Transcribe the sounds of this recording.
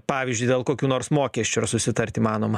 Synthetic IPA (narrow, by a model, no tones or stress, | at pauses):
pɑːʋʲɪzʲd͡ʒʲʊɪd̪ʲeːlˠkoːkʲuːnoːɾsmoːkʲiɛsʲt͡ʃʲuɪrsʊsʲɪt̪ɐɾʲt̪ʲimɑːnoːmɐ